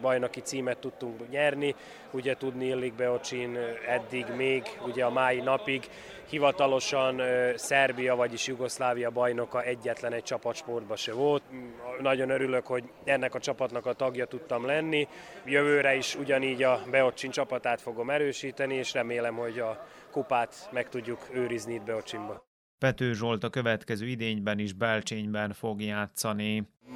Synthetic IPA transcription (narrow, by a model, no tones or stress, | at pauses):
bɒjnokit̪siːmɛt̪ːut̪ːuŋkɲɛrni | uɟɛt̪ud̪niilːiɡ̚bɛo̞t͡ʃinɛd̪ːiɡmeːɡuɟɛɒmaːjinɒpiɡ | hivɒt̪ɒlo̞ʃɒnsɛrbijɒvɒɟiʃjuɡo̞slaːvijɒbɒjno̞kɒɛɟːɛt̪lɛnɛc̚t͡ʃɒpɒt̪ʃpo̞rd̪̚bɒʃɛvo̞lt̪nɒɟo̞nøɾylø̞kho̞ɟ | ɛnːɛkɒt͡ʃɒpɒt̪nɒkɒt̪ɒɡjɒt̪ut̪ːɒmlɛnːijøvøːɾɛiʃuɟɒniːɟɒbɛo̞t͡ʃːint͡ʃɒpɒt̪aːt̪fo̞ɡo̞mɛɾøːʃiːt̪ɛnieːʃrɛmeːlɛmho̞ɟɒ | kupaːt̪mɛkt̪uɟːukøːɾizniid̪̚bɛo̞t͡ʃimbɒ | pɛt̪øːʒo̞lt̪ɒkø̞vɛt̪kɛzøːid̪eːɲbɛniʒbɛlt͡ʃeːɲbɛnfoɡjaːt̪sɒni